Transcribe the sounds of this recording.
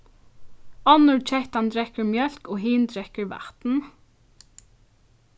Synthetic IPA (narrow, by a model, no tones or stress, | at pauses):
ɔnʊɹt͡ʃʰɛht̪and̪ɾɛkəɹmjœl̥koːɦiːnd̪ɾɛkəɹʋa̰ht̪n̩